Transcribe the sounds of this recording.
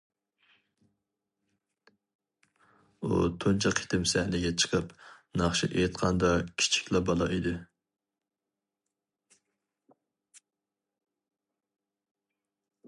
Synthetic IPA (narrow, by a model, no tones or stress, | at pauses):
ṵt̪ʰont͡ʃʰɑqʰe̥t̪ʰɪmsɛhlɪɡʲɛt͡ʃʰə̥qʰəpnɑχʃḭʔet̪qʰɑnd̪ɑkʲʰi̥t͡ʃʰi̥kʲlɑbɑlˠɑʔid̪ɪ